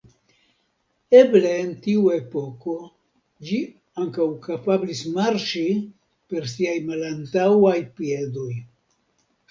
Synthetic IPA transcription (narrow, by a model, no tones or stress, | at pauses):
e̞ble̞ːntiue̞po̞ko̞ | d͡ʒi | aŋkawkapablismaɾt͡ʃi | pe̞ɾsiajmalantawajpie̞do̞j